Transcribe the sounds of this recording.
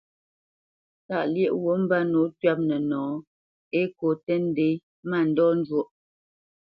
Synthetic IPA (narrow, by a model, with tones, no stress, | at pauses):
ta˦˨ʔljɛ˦ʔwo˨˦m̩˦ba˦no˨˦tɥa˦p̚nə˨nɔ̃ː˨˦ | e˦ko˨tɛ˦n̩˦de˨˦j | ma˦˨n̩˦dɔ˦n̩˦d͡ʒwo˦ʔ